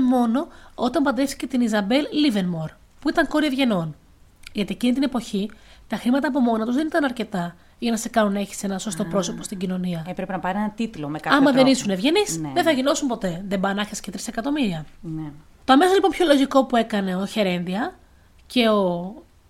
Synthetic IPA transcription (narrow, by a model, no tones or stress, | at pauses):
mo̞no̞ot̪ɐmbɐnd̪ɾe̞fθi̥cet̪inizɐbe̞lːivenmoɾ | puit̪ɐŋko̞ɾievʝe̞no̞n | ʝɐt̪iecinit̪ine̞po̞çit̪ɐxɾimɐt̪ɐːp̬o̞mo̞nɐt̪ozðenit̪ɐnɐɾce̞t̪ɐ | ʝɐnɐsekɐnune̞çi̥senɐso̞st̪o̞pɾo̞sopo̞st̪iɟino̞niɐepɾepenɐpɐɾienɐt̪it̪lomekɐɐmɐððenisunevʝe̞nisnðeθɐʝino̞sumpo̞t̪e̞ðembɐnɐxesce̞t̪ɾisekɐt̪o̞miɾiɐn | t̪oɐmesolipo̞mpço̞lo̞ʝiko̞pue̞kɐne̞oçe̞ɾe̞nðiɐ | ce̞o̞